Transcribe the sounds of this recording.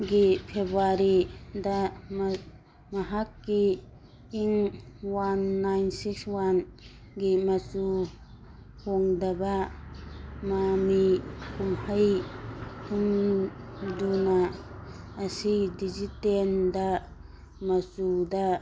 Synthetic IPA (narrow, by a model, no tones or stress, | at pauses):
ɡipʰebaɾidɐm | mɐɦakːiː | ŋ | wanːajnsikswan | ɡimɐt͡ʃu | hoŋdɐbɐ | mamikumhəj | hʰum | dunaː | sidizitendɐ | mɐt͡ʃudɐ